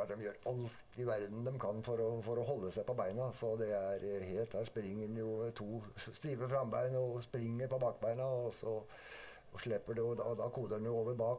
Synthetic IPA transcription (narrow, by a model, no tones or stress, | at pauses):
d̪ɛmjøːɾɑlt̪ɪʋæɾd̪n̩d̪ɛmkʰɑnːfɔɾɔfɔɾɔɦɔlːəsæɪpɔbæɪnɑsɔd̪ɛæɾheːlt̪hæːʂpɾɪŋːəɖɛnjʊt̪ʰuːst̪iːʋəfɾɑmbæɪnɔspɾɪŋːəɾpɔbɑːkbæɪnɑɔsɔ | ʂɭɛpːəɖɛʊd̪ɑd̪ɑkʰuːd̪ədɛnjʊoːʋəɾbɑːk